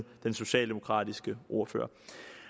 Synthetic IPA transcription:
d̥enso̝ɕɛ̰ːld̥e̝mo̝kʰʁɑ̰̈ːd̥isɡ̥əʔo̝ːɐfø̰ːɐ

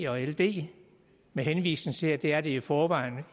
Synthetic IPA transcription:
ɒ̽eld̥e̝̰ː | meɦenʋḭːsnŋ̩t͡sʰe̝æd̥e̝æɐɾ̥e̝ifɒːʋɑ̈ɪ̰nə

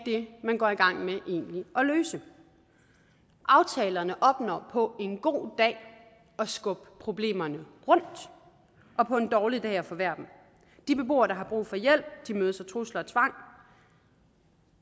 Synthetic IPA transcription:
d̥e̝mænɡ̥ɒ̰iɡ̥ɑ̈ŋ̰meʔe̝̰ːnliʔɒ̽løːsə | ʔɑ̈ʊt͡sʰɛːlɐnəʔɒ̽b̥nɒ̰ːpʰɒ̽e̝nɡ̥o̝̰ːd̥ɛ̰ː | ɒ̽sɡ̥ɔ̽b̥pʰʁo̝b̥le̝̰ːmɐnəʁɔ̽n̰d̥ | ʔɒ̽pʰɒ̽e̝nd̥ɒːlid̥ɛ̰ːɒfɒ̽ʋæɐ̰b̥n̩ | d̥ib̥e̝b̥o̝̰ːɐɾ̥ɑ̈ɦɑ̈b̥ʁṵːfɒ̽jel̰b̥̚d̥imøːðˠsɒt͡sʰʁuslɐɒt͡sʰʋɑ̈ŋ̰

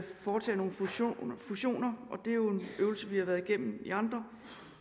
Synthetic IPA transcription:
fɒːt͡sʰɛ̰ːno̝ːn̩ffuɕo̝̰ːnɐʔɒ̽d̥e̝æjo̝e̝nøʊlsəʋihɑ̈ʋæːɐðˠiɡ̥em̰m̩ḭɑ̈nd̥ʁɐ

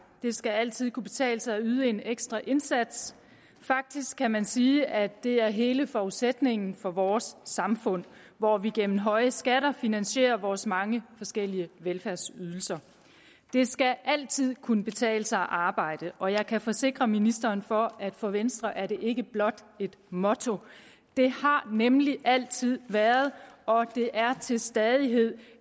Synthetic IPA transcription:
d̥e̝sɡ̥ææl̰t͡sʰið̞̰ˠkʰub̥e̝t͡sʰɛ̰ːləsɑ̈ɪyð̞ˠəe̝neɡ̥sd̥ʁɐʔe̝nsæd̥s | fɑ̈ɡ̥̚d̥isɡ̥ʰæmænsiːʔæd̥e̝æɐɦe̝ːləfɒuðˠsed̥ne̝ŋ̰n̩fɒ̽ʋɒːsːɑ̈mfɔ̽n̰ | ʋɒʋiɡ̥en̰m̩ɦɒ̽ɪəsɡ̥æɾɐfinænɕe̝̰ːɐʋɒːsmɑ̈ŋəfɒ̽sɡ̥el̰iəʋelfæɐsyð̞ˠl̩sɐ | d̥e̝sɡ̥æʔæl̰t͡sʰið̰ˠkʰunəb̥e̝t͡sʰɛ̰ːləsɑ̈ɪʔɑ̈ːb̥ɑ̈ɪ̰d̥əʔɒ̽jɑ̈ɪkʰæfɒ̽se̝ɡ̥ʁɐminisd̥ɐːnfɒ̽æd̥fɒʋensd̥ʁɐʔæɐɾe̝ʔe̝ɡ̥əb̥lɒ̽d̥ | e̝d̥mɔ̽t͡sʰo̝ | d̥e̝hɑ̈nemliʔæl̰t͡sʰið̰ˠʋæːɐð̞̩ˠʔɒ̽d̥e̝ʔæɐt͡sʰe̝lsd̥ɛːð̞ˠiɦe̝ð̰ˠ

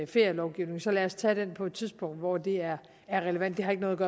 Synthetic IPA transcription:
fe̝ɐjɐlɒʊɡ̥iʊne̝ŋsɒ̽læːɐst͡sʰæd̥enpʰɒ̽ed̥t͡sʰiðˠsb̥ʰɔ̽ŋ̰d̥ʋɒd̥e̝æɐ | æɐʁɛləʋæn̰d̥ːe̝hɑ̈e̝ɡ̥nɔðˠɐɡɶɐː

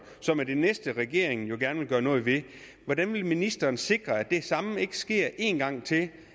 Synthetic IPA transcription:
sɒ̽mæd̥enesd̥əʁɛɡ̥e̝ɐ̰eŋn̩jo̝ɡ̥æɐnəʋe̝lɡ̥ɶːɐnɔ̽ːðˠʋe̝ | ʋɒd̥ænʋe̝lminisd̥ɐːnse̝ɡ̥ʁɐæd̥e̝sɑ̈məe̝ɡ̥əsɡ̥e̝ɐ̰ʔe̝̰ːnɡ̥ɑ̈ŋ̰t͡sʰe̝l

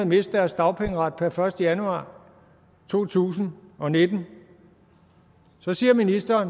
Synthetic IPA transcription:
ð̩ˠme̝sd̥dæɐsd̥ɑ̈ʊpʰeŋəʁɑd̥̚pʰæɐfɶɐsd̥əjænuɑ̰̈ː | t͡sʰo̝̰ːt͡sʰṵːsn̩ɒ̽ne̝d̥n̩ | sɒ̽siːɐminisd̥ɐːn

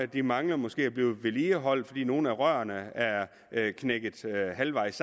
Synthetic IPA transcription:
æd̥imɑ̈ŋlɐmɒ̽sɡ̥e̝̰ːæɐb̥liːð̩ˠʋe̝liːəɦɒ̽l̰d̥fɒ̽dḭːno̝ːn̩æʁɶːɐnəæɐ | kʰneɡ̥ð̩ˠhælʋɑ̈ɪ̰s

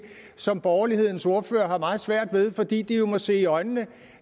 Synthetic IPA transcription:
sɒ̽mb̥ɒːɐlihe̝ð̞̰ˠn̩so̝ɐfø̰ːɐɦɑ̈mɑ̈ːð̩ˠsʋæɐ̰d̥ʋe̝ð̞ˠfɒ̽d̥ḭːd̥ijo̝mɒ̽se̝̰ːiɒ̽ɪnnə

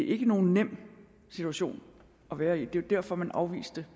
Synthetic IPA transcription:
eʔe̝ɡ̥əno̝ːn̩nem̰ | sit͡sʰuæɕo̝̰ːn | ʔɒ̽ʋæːɐid̥e̝ʋd̥æɐ̰fɒ̽mænʔɑ̈ʊʋḭːsd̥ə

